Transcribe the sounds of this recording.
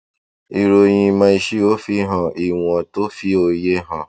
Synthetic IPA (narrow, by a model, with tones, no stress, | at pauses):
i˨˧ɾo˧j̃ĩ˧mã˧i˧ʃi˦o˦fi˦ɦã˨ʔi˨w̃ɔ̃˧to˦fi˦o˧je˦ɦã˦˨